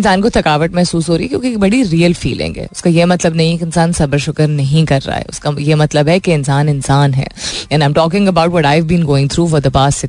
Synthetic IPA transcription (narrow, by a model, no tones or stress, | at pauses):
nsaːnkot̪ʰɐkaːʋəʈmɛɦsuːsɦoːɾɐiɛkjõːkek̚bɐɽiɾiːəlfḭːlɪ̰̃ŋɡɦɛ̰ːʊskajemɐt̪ləbnɐɦĩkeɪ̃nsaːnsɐbəɾʃʊkəɾnɐɦĩkɐɾːa̰ːɦɛ̰ʊskajemɐt̪ləbɦɛkeɪnsaːnɪnsaːnɦɛ̰ːɛ̃nãɪ̃mʈɔːk̬ɪ̃ŋɡəbaʊʈʋɔʈaɪʋbĩːnɡoːɪ̃ŋt̪ʰɾuːfɔɾd̪əpaːsɪ